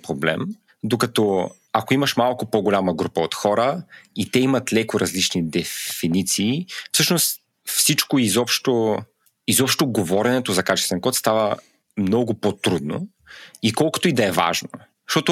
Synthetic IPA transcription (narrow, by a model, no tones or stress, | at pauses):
pɾoblɛ̰m | d̪okɐt̪ɔ | akoimɐʃmalˠkʊpoɡolʲaməɡɾupəot̪xɔɾəit̪ɛimɐt̪lɛkʊɾɐzlit͡ʃnid̪ɛfinit̪siːfsɤʃnost̪ | fsit͡ʃkoizɔpʃt̪o | izɔpʃt̪oɡovɔɾɛnɛt̪ozɐkat͡ʃɛst̪vɛnkɔt̪st̪avə | mnɔɡʊpot̪ɾud̪no̰ | ikɔlˠkʊ̥t̪oid̪ɐɛva̰ʒno̰ | zʃt̪ɔt̪ʊ